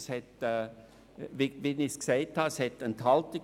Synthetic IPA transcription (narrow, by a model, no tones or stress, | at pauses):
shɛtː | viviniskseɪthɑshɛtənt̪hɑltɪ